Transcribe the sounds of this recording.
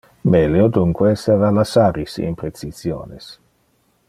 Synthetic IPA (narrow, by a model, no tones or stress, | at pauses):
meleod̪uŋkwesevalasaɾisḭnpɾet͡sizjo̰ːnes